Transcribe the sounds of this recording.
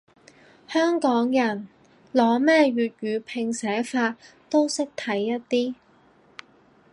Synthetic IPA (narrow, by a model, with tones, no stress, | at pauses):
hœː˥ŋkɔː˨˥ŋjɐ˨˩n | lɔː˨˥mɛː˥ɥyː˨t̚ɥyː˨˧pʰɪ˨˧ŋsɛː˨˥faː˧t̚ | t̪o˥wsɪ˥k̚t̪ʰɐ˨˥jːɐ˥t̚t̪iː˥